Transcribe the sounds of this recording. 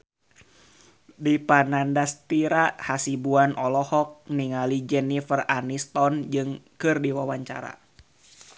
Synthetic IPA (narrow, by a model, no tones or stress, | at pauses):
dipanandast̪iɾahasibuanɔlɔhɔk̚niŋalid͡ʒɛnifəranist̪ɔnd͡ʒɨŋkɨrdiwawaɲt͡ʃa̰ɾa̰